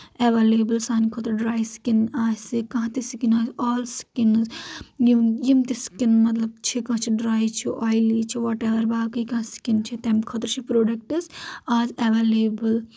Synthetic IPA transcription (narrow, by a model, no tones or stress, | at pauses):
eʋeːleːbəlsaːnikʰɐt̪ɾɖɾaːjsi̥kinaːsikɐ̃ɦãt̪isikinaːsɔːlskinzjijimt̪iskinmɐt̪̬lɐb̚t͡ʃʰikãːt͡ʃʰiɖɾaːjt͡ʃʰiʔaːjliːt͡ʃʰiʋɔːʈeʋɐɾbaːkikãsi̥kint͡ʃʰit̪ɛmkʰɔt̪ɾt͡ʃʰipɾoːɖɐk̚ʈɐsaːzeʋeleːbɐl